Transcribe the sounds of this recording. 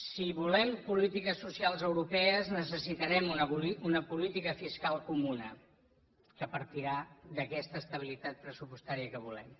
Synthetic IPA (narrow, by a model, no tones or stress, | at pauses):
siβulɛmpulit̪ikəsːusialˠzəwɾupɛəznəsəsit̪əɾɛmunəuiunəpulit̪ikəfiskalˠkumunə | kəpəɾt̪iɾad̪əkɛst̪əːst̪əβ̞ilit̪at̪̚pɾəsupust̪aɾiəkəβulɛm